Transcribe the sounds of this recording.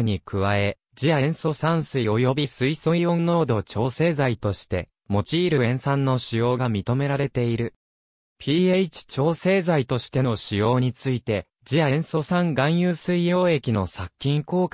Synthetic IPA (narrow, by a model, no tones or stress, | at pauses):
ɲ̟ikɯ̟βae̞ | d͡ʑiaẽɰ̃so̞sãɰ̃sɨio̞jo̞bʲisɨisoijõ̞nːo̞ːd̪o̞t͡ɕo̞ːse̞ːzait̪o̞ɕi̥t̪e̞̰ | mo̞t͡ɕiːɾɯ̟ẽ̞ɰ̃sãnːo̞ɕijo̞ːɡamʲit̪o̞me̞ɾaɾe̞t̪e̞iɾɯ̟ | pʲiːeit͡ɕi̥t͡ɕo̞ːse̞ːzait̪o̞ɕi̥t̪e̞no̞ɕijo̞ːɲ̟it͡sɨit̪e̞ | d͡ʑiaẽɰ̃so̞sãŋɡãɰ̃jɯːsɨijo̞ːe̞kʲino̞sakʲːĩŋko̞ːk